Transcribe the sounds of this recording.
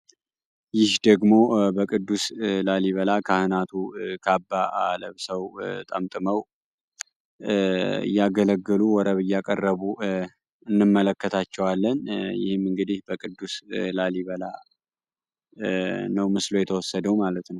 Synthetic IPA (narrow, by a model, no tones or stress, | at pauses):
jɪhd̪əɡmo̞bəkʼɨd̪ːuslaliβəlakʰahɨnat̪ʰukʰabːaʔa̰ləβsəwt̪ʼəmt̪ʼɨməw | jaɡələɡːəluwɔɾəβɨjːakʼərːəβu | ɨnːɨmːələkːət̪ʰat͡ʃːɛwalːənjɪ̰hɨmɨŋɡɨd̪ihbəkʼʰɨd̪ːuslaliβəla | nəwmɨslo̞jɛt̪ʰəwɔsːəd̪əwmalət̪nəw